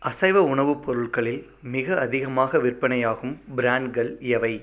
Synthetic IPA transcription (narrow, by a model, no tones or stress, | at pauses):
ʔɐsɐɪʋɐʊɳɐʋɯpːɔɾɯɭkɐɭɪl | mɪɣɐɐðɪɣɐmaːɣɐʋɪrpɐɳɐjaːɣɯmbɪɾaːɳɖɡɐɭɛʋɐɪ